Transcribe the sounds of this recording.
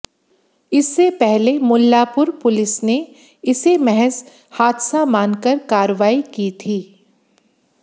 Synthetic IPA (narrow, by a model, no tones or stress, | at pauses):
ɪsːepɛɦlemʊlːaːpʊɾpʊlɪsne | ɪsemɛɦɛz | haːd̪samãːnkəɾkaːɾəʋaːikiːt̪ʰiː